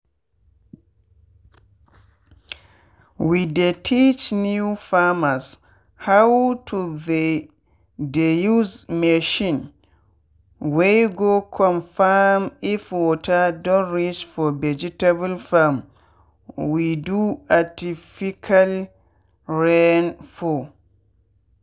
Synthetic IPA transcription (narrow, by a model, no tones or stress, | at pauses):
widetʰit͡ʃnuufamas | hawtʰuðe | dejuzmeʃĩn | wejɡokʰɔ̃nfamifwɔtadɔ̃nɹit͡ʃfɔvɛd͡ʒitabalfam | widuatifikʰal | ɹenfɔ